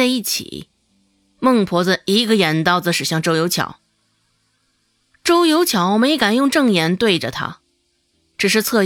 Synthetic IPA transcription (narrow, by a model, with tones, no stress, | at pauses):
a˥˧ɪi˥˩t͡ɕʰḭ˨˩˦ | mɤ˥˩ŋpʰwɔ˧˥d͡zə˧i˧˥ɡə˧jɛ˨˩nt̪ɑ˥˧ʊd͡zə˧ʂɻ̩˨˩ɕjɑ˥˩ŋʈ͡ʂo˥ʊjo˧˥t͡ɕʰjɑ̰˧˥˦ʊ | ʈ͡ʂo˥ʊjo˧˥ʊt͡ɕʰjɑ˧˥ʊme˧˥ɪ˧˥ka˨˩njʊ˥˧ŋʈ͡ʂɤ˥˩ŋjɛ˧˥nt̪we˥˩ɪʈ͡ʂə̰˩t̪ʰa̰˥ | ʈ͡ʂɻ̩˨˩ʂ̬ɻ̩˥˧t͡sʰɤ˥˧